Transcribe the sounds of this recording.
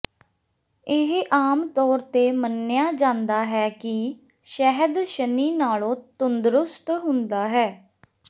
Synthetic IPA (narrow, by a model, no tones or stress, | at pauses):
ɪɦʔaːmt̪ɔːɾt̪eːmənːɪjaːd͡ʒãːnd̪aːɦɛːkɪ | ʃɛɦəd̪ʃəniːnaːlõːt̪ʊnd̪ɾʊst̪ɦʊnd̪aːɦɛː